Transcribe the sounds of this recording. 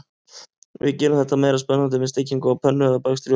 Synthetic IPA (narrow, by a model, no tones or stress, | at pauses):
vɪ̰cɛːʏmθɛht̪ːameːjɾaspɛnːant̪̬ɪmɪðst̪ɪcːiŋkawpʰœnːʏɛðapakst̪ɾj